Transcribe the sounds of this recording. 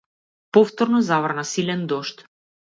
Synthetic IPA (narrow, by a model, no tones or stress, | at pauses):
pɔft̪ɔɾnɔzavrnasilɛnd̪ɔʃt̪